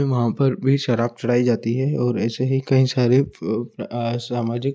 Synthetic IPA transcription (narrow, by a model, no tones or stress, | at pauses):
ẽʋɐɦãpɐɾbʱiʃɐɾaːb̚t͡ʃɐɽ̤aːid͡ʒaːt̪iɦɛɔːɾɛːseɦikɐɦĩsaːɾe | saːmaːd͡ʒɪk